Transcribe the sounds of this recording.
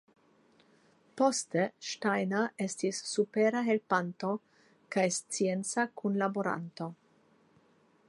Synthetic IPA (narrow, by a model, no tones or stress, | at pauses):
po̞steʃtajnaʔe̞stisːupeɾaɦe̞lpanto̞ | kajst͡sie̞nt͡sakunlaboɾa̰nto̞